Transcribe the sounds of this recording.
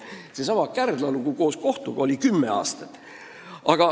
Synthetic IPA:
sesɑmɑkærd̪̥lɑluɡ̥uko̞ːsko̞ht̪uɡ̥ɑolʲikymːe̞̰ɑ̰ːst̪ɑt̪ːˑ | ʔɑɡ̥ɑ

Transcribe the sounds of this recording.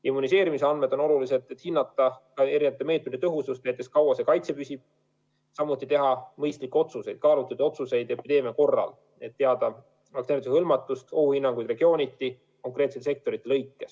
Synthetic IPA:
imːunis̬e̞ːɾimiseɑnd̪med̪o̞no̞lulise̞d̪̥et̪hinːɑt̪ːˑɑkɑe̞ɾineɑt̪eme̞ːt̪̚ˑmed̪et̪ɤɦusust̪næjt̪ːˑe̞skɑwɑsekɑjt̪se̞pysʲib̥̚ | sɑmːut̪ːˑit̪e̞ɦɑmɤjst̪likːeo̞t̪suse̞jd̪̥kɑːlut̪ːˑɑd̪ɑo̞t̪suse̞jd̪e̞pid̪̥e̞ːmiɑko̞rːɑ̰l | e̞t̪ːe̞ɑd̪̥ɑ | ɑkt̪eɾt̪suhɤlmɑt̪ːˑust̪ohuhinːɑŋɡujd̪̥re̞ɡ̥io̞ːnʲit̪ːˑi | ko̞ŋkˑret̪set̪ːese̞k̚t̪o̞ɾit̪ːˑelɤjkːe̞s

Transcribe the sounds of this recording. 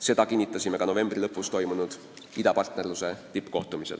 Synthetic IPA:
se̞d̪̥ɑkinʲːit̪ˑːɑsʲime̞kɑno̞ve̞mb̥rilɤpːˑust̪o̞jmunud̪̥ | id̪ɑpɑrt̪ne̞rluse̞t̪ipːˑko̞̰ht̪umisel

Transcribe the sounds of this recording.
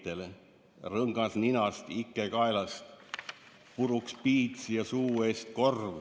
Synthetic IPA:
t̪el | rɤŋɡ̥ɑsninɑst̪ikːˑekɑelɑst̪ | puɾukspiːt̪sijɑsuːeːst̪ko̞rv

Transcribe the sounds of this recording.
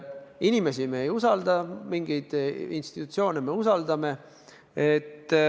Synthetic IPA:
inime̞simeejusɑld̪̥ɑmiŋɡ̥ijd̪̥inst̪it̪ːut̪sio̞ːneme̞usɑld̪̥ɑme̞ | et̪ː

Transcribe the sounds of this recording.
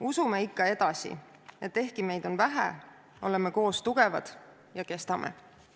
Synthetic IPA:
usumeikːɑe̞d̪̥ɑsḭ | e̞t̪ːe̞hkime̞jd̪̥o̞nvæɦæ̰ | o̞le̞me̞ko̞ːst̪uɡ̥e̞vɑ̰d̪̥ | jɑke̞st̪ɑmʔḛ

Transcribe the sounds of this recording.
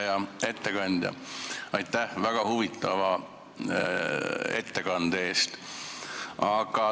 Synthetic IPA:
jɑe̞t̪ːe̞kɑnʲd̪̥jɑ̰ɑjt̪ːˑæhvæɡ̥ɑhuvit̪ːˑɑvɑ | e̞̰t̪ːe̞kɑnd̪̥ee̞ːst̪ | ɑɡ̥ɑ

